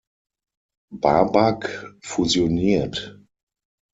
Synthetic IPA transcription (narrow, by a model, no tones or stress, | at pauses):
babakfuzjoniːɐt